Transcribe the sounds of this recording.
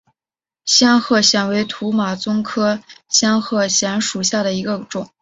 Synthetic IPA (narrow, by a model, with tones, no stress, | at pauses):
ɕjɑ˥ŋxɤ˥˩ɕjɛ˨˩nwe˧˥ɪt̪ʰu˧˥ma˨˩t͡sʊ˥ŋkʰɤ˥ɕjɑ˥ŋxɤ˥˩ɕjɛ˧˥nʂu˨˩ɕja˥˩d̪ə˩i˧˥ɡə˧ʈ͡ʂʊ˨˩˦ŋ